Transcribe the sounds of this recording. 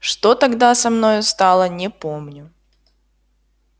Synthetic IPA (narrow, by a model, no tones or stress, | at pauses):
ʂt̪ot̪ɐɡd̪asɐmno̞jʊst̪ɑlˠənʲɪpomnʲʊ